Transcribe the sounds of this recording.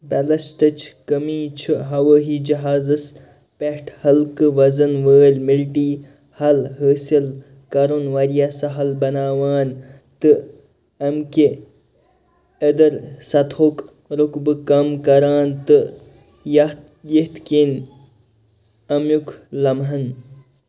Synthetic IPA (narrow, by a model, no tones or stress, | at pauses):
bɐlɐsʈ̪ɐt͡ʃʰkɐmiːt͡ʃʰɨɦɐwəːɦid͡ʒɐɦaːzɨs | pehʈʰhɐlkɨʋɐzɐnʋəːlʲmilʈiː | hɐlɦəːsil | kɐɾonʋɐɾijasɐɦɐlbɐnaːwaːn | t̪ɨ | ɐmke | əd̪ɐɾsɐt̪ʰhok | ɾukbɨkɐmkɐɾaːnt̪ɨ | jɐ | jiht̪kin | ɐmjukʰlɐmɦɐn